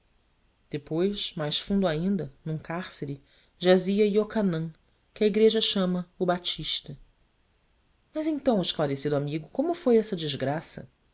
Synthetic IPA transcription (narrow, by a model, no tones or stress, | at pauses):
d̪̥epojʃmajsfũd̪ʊaĩnd̪ɐnũkaɾseɾɪ | ʒaziɐiokanɐ̃ | kɪɐiɡɾeʒɐʃɐ̃mɐʊbat͡ʃiʃt̪ɐ | mɐzẽnt̪ɐ̃w̃ɪʃklaɾesid̪ʊamiɡʊkõmʊfojɛsɐd͡ʒizɡɾasɐ̰